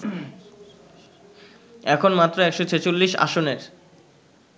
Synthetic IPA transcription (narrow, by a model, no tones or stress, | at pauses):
ɛkʰonmat̪ːɾoɛkʃot͡ɕʰet͡ɕolːiʃa̰ʃoneɾ